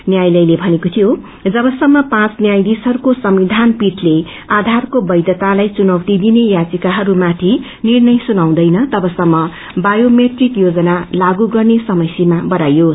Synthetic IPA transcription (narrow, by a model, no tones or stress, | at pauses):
njajlʌjlebʱʌnekot̪ʰijo | d͡zʌbʌsʌmːʌpãt͡snjajd̪isɦʌɾukosʌmid̪ʱanpiʈle | ad̪ʱarkobʌjd̪jʌt̪alajt͡sunʌwt̪id̪inejat͡sikaɦʌɾumat̪ʰi | nirnʌjsunaw̃d̪ʌjnʌt̪ʌbʌsʌmːʌ | bajomeʈrikjod͡zʌnalaɡuɡʌrnesʌmʌsimabʌɾajos